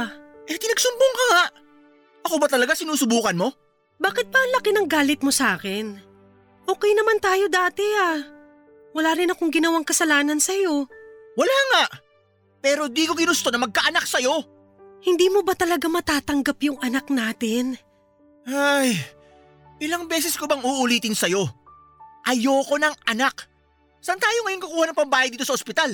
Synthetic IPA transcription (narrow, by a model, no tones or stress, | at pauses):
ʔɛt̪ɪnɐɡsʊmboŋkɐŋaʔ | ʔɐko̞bɐt̪ɐlɐɡasɪnuːsʊbuːkɐnmo̞ | baːkɪt̪̚pɐʔːŋlɐkɪnɐŋɡaːlɪt̪̚mosʔaːkɪn | ʔo̞ːkɛjnɐmant̪aːjo̞d̪aːt̪ɛa | wɐlaːɾɪnɐkoŋɡɪnɐwaŋkɐsɐlaːnɐnsɐjo̞wɐlaŋaʔ | pɛːɾo̞d̪iːko̞ɡɪnʊst̪o̞nɐmɐɡ̚kɐʔɐnak̚sɐjo̞ | hɪnd̪iːmo̞bɐt̪ɐlɐɡamɐt̪aːt̪ɐŋɡapjʊŋɐnaknaːt̪ɪn | ʔaj | ʔɪlaŋbɛːs̬ɛskobɐŋuʔʊliːt̪ɪnsɐjo̞ | ʔɐjo̞ːko̞nɐŋɐnak | sɐnt̪aːjoŋɐjonkʊkuːhɐnɐŋpɐmbaːjɐjd̪iːt̪osɐʔospɪt̪al